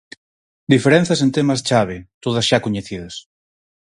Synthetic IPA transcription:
d̪ifeɾɛ̃n̟θjasent̪emast͡ʃaβ̞et̪oð̞azʃakoɲeθiðas

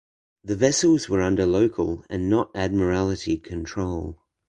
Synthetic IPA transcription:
ðɨvɛsəl̩ˠzwə˞ʌ̃ndə˞loʊkʰəlˠɨ̰̃nːəɾæd̚mə˞ælˠəɾikʰɨ̃ntʰɹ̥oʊlˠ

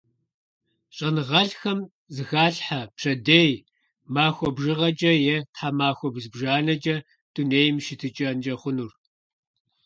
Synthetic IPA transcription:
ɕʼɐnɨʁɐɬxɐm | zɨxaːɬħapʂʰɐdej | maːxʷɔbʒɨʁɐd͡ʒʼɐjɛtħamaːxʷɔbɨzbʒaːnɐd͡ʒʼɐ | d̥uneːjmʃɪtʰɨt͡ʃʼɐnd͡ʒɐχʷʊnur

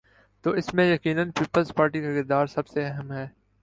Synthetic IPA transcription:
t̪oːɪsmẽjɐkiːnənpiːpəlzpaːɾʈikaɡɪɾd̪aːɾsɐbseɛɦɛmɦɛː

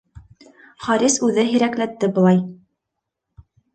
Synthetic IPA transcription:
χɑɾisʉðɘɦiɾæklæt̪ːɘbɤ̆lˠɑj

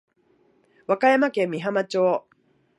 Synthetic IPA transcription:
βakajamakẽ̞mːʲiɦamat͡ɕoː

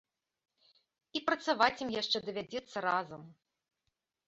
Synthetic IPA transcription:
ipɾɐt̪savat͡sʲimjaʂt͡ʂɛd̪ɐvʲad͡zʲɛt̪sːɐɾazɐm

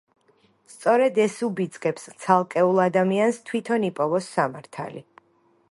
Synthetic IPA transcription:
st̪sʼɔɾɛd̪ɛsubid̪zkʼɛpst̪sʰalˠkʼɛulˠad̪amianst̪ʰwit̪ʰɔnipʼɔvɔsːamaɾt̪ʰa̰li

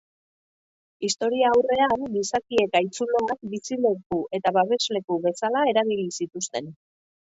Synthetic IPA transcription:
ist̪o̞ɾiaːwre̞anbisakie̞kajt͡suloak̚bisile̞kue̞t̪aβaβe̞zle̞kuβe̞salae̞ɾaβilisit̪ust̪e̞n

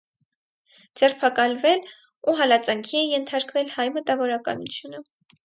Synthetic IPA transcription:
d͡zɛrpʰɑkɑlvɛl | uɦɑlɑt͡sɑŋkʰiɛjɛnt̪ʰɑɾkvɛlhɑjmət̪ɑvɔɾɑkɑ̰nut͡sʰjunə

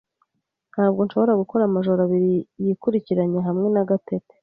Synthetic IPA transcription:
n̥haːbɡo̞nʃo̞βo̞ɾaɡuko̞ɾamaʒoɾaβiɾijikuɾiciɾaɲe̞ɦamŋe̞naɡatete̥

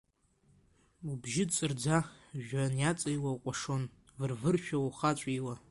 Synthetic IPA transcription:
ubʒɪdt͡sʼɨrd͡zaʒᶣanjat͡sʼajwaqʷʼaʂon | vɨrvɨrʃᶣawuχat͡ʃʷʼiwa

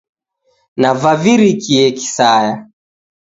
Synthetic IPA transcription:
navaviɾikiɛki̥saja

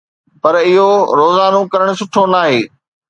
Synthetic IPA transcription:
pɐɾɪɦoɾoːzaːnokɐɾəɽ̃ʊ̆sʊʈʰonaːɦeː

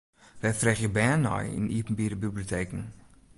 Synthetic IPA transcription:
ʋɛjfrɛχjəbɛːnːɔ̰jɪ̰nipn̩biɾəbibliotʰeːkn̩

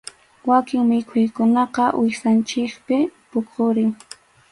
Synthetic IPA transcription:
wakɪŋmɪkʰʊjkʊnɑqɑʔwʔɪsant͡ʃɪkpɪpoqʰoɾɪŋ

